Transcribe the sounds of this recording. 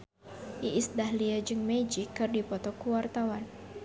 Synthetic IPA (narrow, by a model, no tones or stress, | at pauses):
ʔiʔːsdahliad͡ʒɨŋmed͡ʒikːɨrdipɔt̪ɔkuwart̪awan